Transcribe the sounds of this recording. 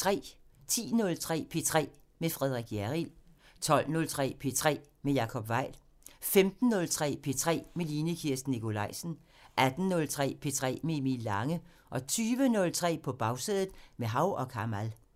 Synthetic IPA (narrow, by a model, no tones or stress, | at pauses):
t͡sʰʁɛ̰ːt͡sʰḭːnɔ̽lt͡sʰʁɛ̰ːpʰe̝t͡sʰʁɛ̰ː | mefʁɛð̞ˠʁiɡ̥jæʁil | t͡sʰɒ̽l̰nɔ̽lt͡sʰʁɛ̰ːpʰe̝t͡sʰʁɛ̰ː | mejɑ̈ːkʰɒ̽b̥ʋɑ̈ɪ̰l | femd̥n̩ːɔ̽lt͡sʰʁɛ̰ːpʰe̝t͡sʰʁɛ̰ːmeliːnəkʰiɐ̰sd̥nikʰo̝lɑ̈ɪsn̩ | ʔæd̥n̩nɔ̽lt͡sʰʁɛ̰ːpʰe̝t͡sʰʁɛ̰ːmeemilːɑ̈ŋə | ʔɒ̽t͡sʰyːʋənɔ̽lt͡sʰʁɛ̰ːpʰɒ̽b̥ɑ̈ʊseːðˠð̩ˠmeɦɑ̈ʊ̰ɒ̽kʰɑ̈mæl